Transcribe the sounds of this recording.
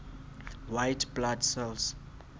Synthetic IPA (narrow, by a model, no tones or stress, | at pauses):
wajtbladsɛls